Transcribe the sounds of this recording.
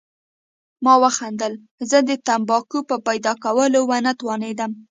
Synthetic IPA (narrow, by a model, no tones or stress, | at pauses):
mɑwəxand̪əl | zəd̪ət̪ambɑkupəpajd̪ɑkawəlowanat̪wɑned̪əm